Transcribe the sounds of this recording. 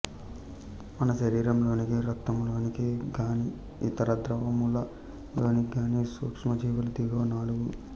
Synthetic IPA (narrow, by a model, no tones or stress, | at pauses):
mɐnɐʃɐɾiːɾɐmlo̞ːnikiɾɐt̪ːɐmlo̞ːnikiɡaːni | it̪ɐɾɐd̪ɾɐʋɐmulɐ | lo̞ːniɡaːniːsuːkʂmɐd͡ʒiːʋɐlɐd̪iɡoːnaːluɡu